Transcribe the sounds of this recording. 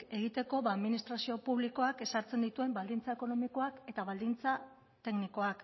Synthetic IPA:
e̞ɣ̞it̪e̞ko̞βaːðminist̪ɾasio̞puβliko̞ake̞saɾt͡se̞nd̪it̪ue̞mbald̪int͡sae̞ko̞no̞miko̞ake̞t̪aβald̪int͡sa | t̪e̞kniko̞ak

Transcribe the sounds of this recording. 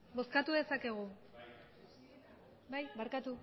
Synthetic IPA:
bo̞skat̪uðe̞sake̞ɣ̞u | bajbaɾkat̪u

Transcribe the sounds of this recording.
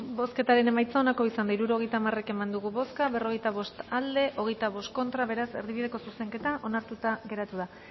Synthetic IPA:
bo̞ske̞t̪aɾe̞ne̞majt͡saonako̞isand̪aiɾuɾo̞ɣjt̪aːmare̞ke̞mand̪uɣuβo̞skaβe̞ro̞ɣe̞jt̪aβ̞o̞st̪ald̪e̞ʔo̞ɣ̞e̞jt̪aβo̞st̪̚ko̞nt̪ɾaβe̞ɾase̞̰ɾðiβiðe̞ko̞suse̞ŋke̞t̪aʔo̞naɾt̪ut̪aɣe̞ɾat̪uða

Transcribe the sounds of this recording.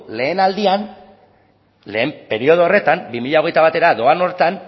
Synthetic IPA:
le̞ːnald̪ian | le̞ːmpe̞ɾio̞ð̞oore̞t̪ambimiʎao̞ɣ̞e̞jt̪aβ̞at̪e̞ɾaðo̞ano̞ɾt̪an

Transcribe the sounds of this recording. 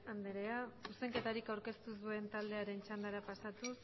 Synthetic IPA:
and̪eɾeasuse̞ŋke̞t̪aɾikawɾke̞st̪usue̞nt̪ald̪e̞aɾe̞nt͡ʃand̪aɾapasat̪u

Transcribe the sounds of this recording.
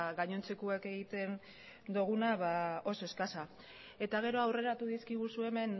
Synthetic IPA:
ɣaɲo̞nt͡se̞kueke̞ɣit̪e̞n | d̪uɣ̞unaβao̞so̞eskasa | e̞t̪aɣ̞e̞ɾo̞awre̞ɾat̪uðiskiɣ̞usue̞me̞n

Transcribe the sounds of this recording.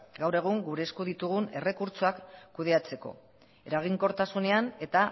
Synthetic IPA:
ɡawre̞ɣ̞uŋɡuɾe̞ːskuðit̪uɣ̞une̞re̞kuɾt͡soakːuðe̞at͡se̞ko̞̰ | e̞ɾaɣ̞iŋko̞ɾt̪asune̞ane̞t̪a

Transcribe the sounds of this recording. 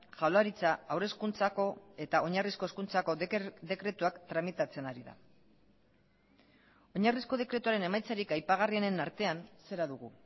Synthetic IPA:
ʝawlaɾit͡saawre̞skunt͡sako̞e̞t̪ao̞ɲarisko̞eskunt͡sako̞ðe̞kɾe̞t̪uakt̪ɾamit̪at͡se̞naɾiða̰ | o̞ɲarisko̞ð̞e̞kɾet̪uaɾe̞ne̞majt͡saɾikajpaɣ̞ariene̞naɾt̪e̞anse̞ɾaðuɣu

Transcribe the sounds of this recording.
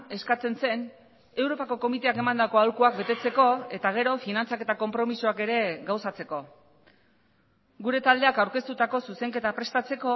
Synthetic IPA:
e̞skat͡se̞nse̞n | e̞wɾo̞pako̞ko̞mit̪e̞ake̞mand̪ako̞alkuakbe̞t̪e̞t͡se̞ko̞e̞t̪aɣ̞e̞ɾo̞finant͡sake̞t̪ako̞mpɾo̞misuake̞ɾe̞ɣawsat͡se̞ko̞ | ɡuɾe̞t̪ald̪e̞akawɾke̞st̪ut̪ako̞suse̞ŋke̞t̪apɾe̞st̪at͡se̞ko̞

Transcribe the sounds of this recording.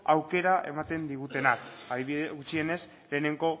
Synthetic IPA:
awke̞ɾaʔe̞̰mat̪e̞nd̪iɣ̞ut̪e̞nakaðiieɣut͡ʃie̞ne̞s | le̞ːne̞ŋɡo̞

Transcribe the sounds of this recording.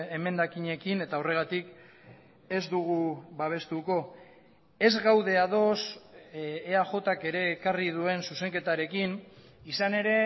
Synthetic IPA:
eme̞nd̪akiɲe̞kine̞t̪aore̞ɣ̞at̪ik | e̞zd̪uɣuβaβ̞e̞st̪uko̞ | e̞zɣawðe̞aðo̞sː | aʝo̞t̪ake̞ɾe̞ːkarið̞ue̞nsuse̞ŋke̞t̪aɾe̞kin | isane̞ɾe̞

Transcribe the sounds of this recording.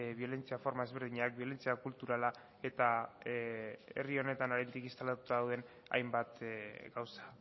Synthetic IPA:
βio̞le̞nt͡siafoɾmaezβeɾð̞iɲaak̚bio̞le̞nt͡siakult̪uɾala | e̞t̪a | ḛrio̞ne̞t̪anaɾend̪ikist̪alat̪u̥t̪aðawðe̞n | a̰jmbat̪ɡawsḁ

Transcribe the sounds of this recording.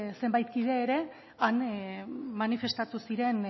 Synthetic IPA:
se̞mbajt̪̚kið̞e̞ːɾe̞ | an | manife̞st̪at̪usiɾe̞n

